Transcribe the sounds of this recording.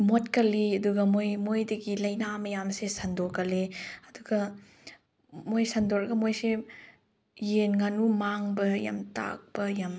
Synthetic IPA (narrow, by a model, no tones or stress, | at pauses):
motkɐlːiɐduɡɐmojmojdɐɡilɐjnamɐjamsesɐndokɐleɐduɡɐ | mojsɐndoɾɐɡɐmojse | jenŋanumaŋbɐja̰mta̰k̚bɐjɐm